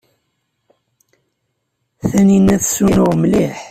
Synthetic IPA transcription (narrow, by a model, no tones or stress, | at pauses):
θæninːæθsunʊʁmliħ